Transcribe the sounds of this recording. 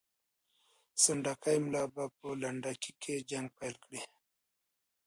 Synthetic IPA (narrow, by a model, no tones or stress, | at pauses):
saɳɖakajmlɑbapəlaɳɖakikʰed͡ʒaŋɡ̚pajlkɽi